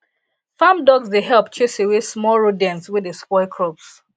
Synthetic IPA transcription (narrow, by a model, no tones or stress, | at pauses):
fãmdɔɡsdeɦɛlˠpt͡ʃesewesmɔɹodɛ̃nswɪðespɔɪkʰɹops